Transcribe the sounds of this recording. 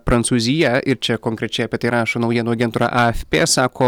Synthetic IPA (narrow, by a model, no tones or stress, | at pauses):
pɾɐnt̪suːzʲɪjɛʔɪɾt͡ʃʲɛkoːŋʲkɾʲɛt͡ʃʲɛɪɐpʲiɛt̪ɐɪɾɑːʃoːnɐʊjiɛnuːɐɡʲɛnt̪uːɾɑ̰ʔɐɛfʲpʲeːsɑːkʰoː